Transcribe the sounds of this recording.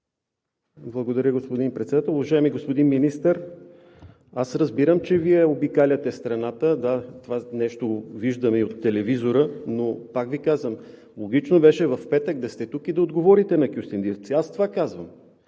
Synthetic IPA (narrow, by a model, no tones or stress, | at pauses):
blˠɐɡod̪ɐɾʲəɡospod̪inpɾɛt̪sɛd̪at̪ɛlˠʊvɐʒaɛmiɡospod̪inminist̪əɾ | asɾəzbiɾəmt͡ʃɛviɛobikalʲət̪ɛst̪ɾɐnat̪əd̪at̪ovanɛʃt̪oviʒd̪əmɛiot̪ːɛlɛvizoɾənopakvikazvəm | lˠoɡ̟it͡ʃnobɛʃɛvɐfpɛt̪ək̚d̪ɐst̪ɛt̪ukid̪ɐod̪ɡovɔɾit̪ɛnɐkʲjust̪ɛnd̪ift̪siast̪ovakazvəm